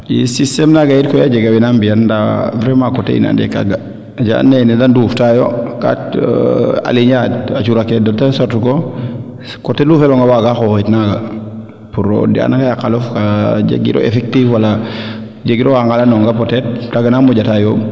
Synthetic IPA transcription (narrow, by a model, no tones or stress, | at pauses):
jḭsistɛmnaɡajitkɔjad͡ʒeɡawinambianda̰vɾemakɔtḛḭna̰ndɛ̰ka̰ɡa | d͡ʒa̰nːenidanduftajoka̰t | a̰liɲatat͡ʃuɾakiedɔtensoɾtuko | kotelufɛlɔŋɡawaɡaxoxitnaɡa | puɾo̰dia̰naŋɡajakalɔfkad͡ʒḛɡḭɾo̰ḛfɛk̚tifwala | d͡ʒeɡiɾoaŋɡalanɔŋɡapɔtɛt̚taɡanamuɟatajom